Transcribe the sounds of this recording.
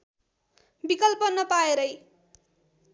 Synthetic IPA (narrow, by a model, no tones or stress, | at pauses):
bikʌlpʌnʌpaeɾʌj